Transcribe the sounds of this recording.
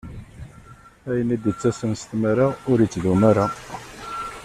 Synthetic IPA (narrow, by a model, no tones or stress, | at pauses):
æjənid̪ət͡sːæsənst̪mæɾaʊɾit͡sːðumæɾa